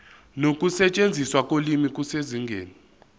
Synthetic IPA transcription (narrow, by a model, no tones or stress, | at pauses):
nokʼusɛt͡ʃʼend͡zʱiswak̬ʼolimik̬ʼuseziŋɡʱeːni